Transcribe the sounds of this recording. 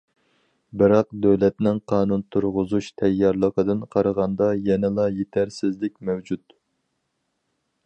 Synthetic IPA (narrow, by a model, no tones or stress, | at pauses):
bɪɾɑqd̪øwlɛt̪nɪŋqʰɑːnunt̪ʰuɾʁʊzuʃt̪ʰɛjːɑɾlˠəqʰəd̪ɨnqʰɑɾəʁɑnd̪ɑjɛnɪlˠɑjet̪ʰæɾsɪzlɪk̚ʲmɛwd͡ʒut̪